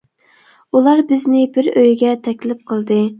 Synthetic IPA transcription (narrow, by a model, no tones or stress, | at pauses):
ulˠɑɾbɪznɪbɪɾøjɡʲɛt̪ʰɛkʲlɪp̚qʰəlˠd̪ɨ